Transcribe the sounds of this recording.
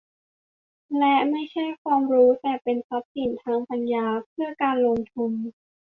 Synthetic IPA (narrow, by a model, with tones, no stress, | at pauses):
lɛ˦˥ma˥˩jt͡ɕʰa˥˩jkʰwaː˧mɾuː˦˥t̪ɛː˨˩pe˧nsʰɔ˦˥p̚si˨˩nt̪ʰaː˧˥ŋpa˧njaː˧pʰɯ˥˩əkaː˧nloː˧ŋt̪ʰu˧m